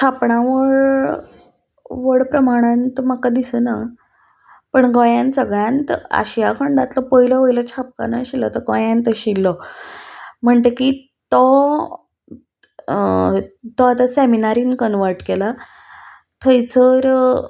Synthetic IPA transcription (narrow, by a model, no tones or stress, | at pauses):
t͡ɕʰapɳãʋəɭ | ʋəɽpɾəmaɽ̃ãnt̪omakad̪isəna | pəɳɡɔjãnsəɡɭjãnt̪a̰ɕijakʰəɳɖat̪lɔpəɦiləʋəjlət͡ɕʰap̚ka̰na̰ɕilːɔt̪əɾɡɔ̃jãnt̪əɕilːɔ | m̤əɳt̪eki | t̪ɔ | t̪ɔat̪aseminaɾiːnkənʋəɾʈkela | t̪ʰəjt͡səɾ